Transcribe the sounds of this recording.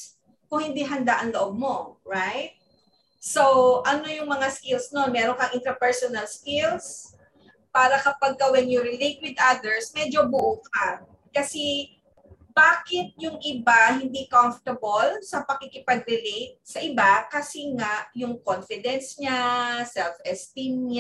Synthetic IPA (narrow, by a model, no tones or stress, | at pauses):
kʊŋhɪnd̪iɦɐnd̪aʔɐŋloʔob̚mo̞ɹajt̪̚ | sowʔɐno̞jʊŋmɐŋaskilsnonmɛːɾoŋkɐŋʔɪnt̪ɾɐpɛɹsonɐlskɪls | paːɾɐkɐpɐɡ̚kɐwɛnjʊɾɪlejt̪̚wɪd̪ʔad̪ɛɹsmɛd͡ʒo̞bʊʔoka | kɐsɛ | baːkɪt̪̚jʊŋʔɪbaɦɪnd̪ikaɱft̪ɐbolsɐpɐkikɪpɐɡ̚ɾɪlejt̪̚sɐʔɪbakɐsɛŋaʔjʊŋkonfɪd̪ɛnsɲasɛlfʔɛst̪imɲa